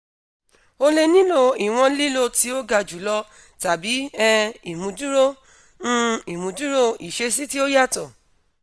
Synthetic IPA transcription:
o˧le˧nĩ˦lo˧i˨w̃ɔ̃˧˦li˦lo˦˧ti˦o˦ɡa˧d͡ʒu˨˦lɔ˧ | ta˨bi˨˦ɛ˧i˨mũ˧˦d͡ʒu˦ɾo˦ | ũ˦i˨mũ˨˧˦d͡ʒu˦ɾo˦i˨ʃe˧˦si˦ti˦o˦ja˦˨tɔ˨

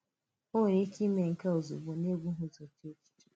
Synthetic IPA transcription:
o˦˨ɾi˦ki˦me˨ŋ̩˨ka˦o˨zṵ˨bɔ˨ne˦ɡʷu˦ɦʊ˦zo˨te˦t͡ʃi̥˨˦˨

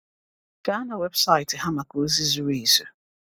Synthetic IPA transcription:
ka˨˦a˦na˨we˦bsa˦ɪ˨tɪ˨ha˦ma˨ko˨˦zi˦zu˦ɾi˨so˨˦

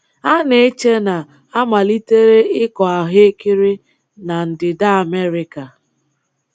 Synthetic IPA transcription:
a˦ne˦e˦t͡ʃe˦na˨ | a˦ma˨li˦te˦ɾe˦ɪ˦kɔ˨a˨ɦe˦e˦kɪ˦ɾɪ˦ | na˨n̩˨dɪ˨da˦a˨me˦ɾɪ˨ka˨

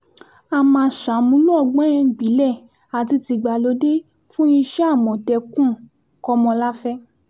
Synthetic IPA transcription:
a˧mã˧ʃa˨˦mũ˧˦lũ˦ɔ˧˨ɡ͡bɛ̃˦j̃ɛ̃˧˨ɡ͡bi˨˦lɛ˦˨ | a˨ti˧ti˧ɡ͡ba˨lo˨˦de˦ | fũ˦jĩ˧ʃɛ˦a˦˨mɔ̃˨tɛ˧kũ˦˨ | kɔ˧mɔ̃˧la˦fɛ˦

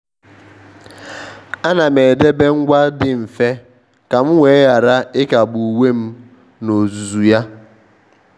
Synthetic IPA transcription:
a˦na˨me˨de˦be˦ŋ̩˦ɡʷa˦dɪ˨m̩˨fe˦ | ka˨m̩˦ŋʷe˨˦ja˨ɾa˦ɪ˦ka˨bu˨we˦m̩˦ | no˨zu˨zu˨ja˦

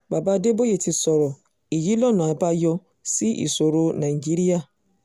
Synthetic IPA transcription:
ba˨ba˨˦de˦bo˦je˦˨ti˧sɔ˨ɾɔ˨ | i˨ji˨˦lɔ˦˨nã˨a˨˦ba˦jɔ˧ | si˦ʔḭ˨so˨ɾo˧nã˨i˨d͡ʒi˦ɾi˦a˦˨

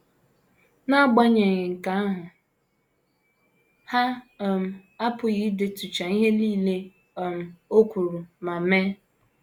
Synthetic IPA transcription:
na˦ɡ͡ba˦ɲe˨ŋɪ˨ŋ̩˨ka˨˦a˦ɦʊ˨ | ha˦˨ | m̩˨a˦pʊ˨ɣi˨˦de˨tu˨t͡ʃa˨i˦ɦe˦liː˦le˦˨ | m̩˨o˦kʷu˨ɾu˨ma˨me˦

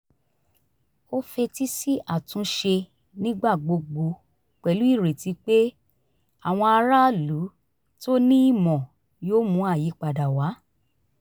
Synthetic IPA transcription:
o˦fe˧ti˦si˦ʔa˦˨tũ˨˦ʃe˧ | nĩ˦ɡ͡ba˦˨ɡ͡bo˧ɡ͡bo˧ | k͡pɛ˨lu˦i˦˨ɾe˨ti˧k͡pe˦ | a˨w̃ɔ̃˧a˧ɾa˦lu˨˦ | to˦nĩ˦i˦˨mɔ̃˨ | joː˦mũ˧˦a˦˨ji˨˦k͡pa˨da˨wa˨˦

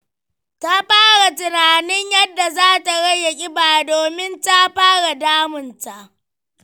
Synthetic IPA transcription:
ta˦ɸaː˦ɽa˨tɪ˨naː˨nɪ˦ɲjɐ˦dːa˨zaː˦ta˨ɽɐ˦jːɐ˨kʲʼɪ˦baː˨doː˨mɪ˦nta˦ɸaː˦ɽa˨daː˦mɪ˨nta˨ʔ

